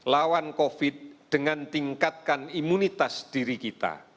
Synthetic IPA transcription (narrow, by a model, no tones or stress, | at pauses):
lawankofɪt̪̚d̥əŋant̪iŋkat̪̚kanimunit̪asd̪̥iɾikit̪a̰